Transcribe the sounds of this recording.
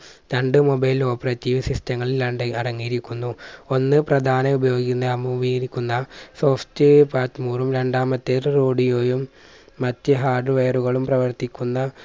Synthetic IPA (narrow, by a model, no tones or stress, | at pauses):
ɾɐɳɖɨmo̞bɐjlo̞ːpːɐrɐtːiʋsistɐŋːɐɭilɐɳɖɨirɐŋːijiɾikʲːunːuo̞nːɨprɐd̪ʱaːnɐubɐjo̞ːɡikʲːunːɐɐmːumiiɾikʲːunːɐso̞ːftɨpaːtːmuːrumɾe̞ɳɖaːmɐt̪ːerroːɖijoːjumː | ɐtːɨɦaːɖɨʋeːruɣɐɭumprɐʋɐrt̪ikʲːunːɐ